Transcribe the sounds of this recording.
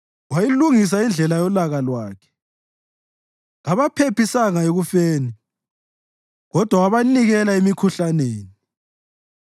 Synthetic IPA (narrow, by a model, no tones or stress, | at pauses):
wajiluŋis̬aind͡ɮʱɛlajɔlaɣalwaːkʰɛ̥ | ŋaβapʰepisaŋaeɣufeːni | ɣɔd̥ʱwawaβaniɣɛlaemikʰuɬaneːni